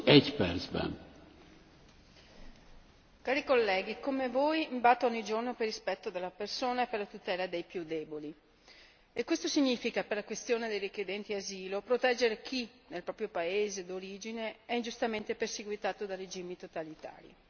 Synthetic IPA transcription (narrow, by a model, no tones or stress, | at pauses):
ɛcpɛɾsbɛ̰n | kaːɾikolːɛːɡikomevoːjimbat̪ːoɔɲːid͡ʒornoperːispɛt̪ːod̪elːapersoːnaeperlat̪ut̪ɛːlad̪ejpjud̪ɛːboli | ekːwest̪osiɲːiːfikaperlakwest̪joːned̪ejrikjed̪ɛnt̪iaziːlopɾot̪ɛd͡ʒːeɾek̟ʰinelpɾɔːpɾjopaeːzed̪oɾiːd͡ʒineɛind͡ʒust̪ament̪eperseɡwit̪aːt̪od̪ared͡ʒiːmit̪ot̪alit̪a̰ːɾḭ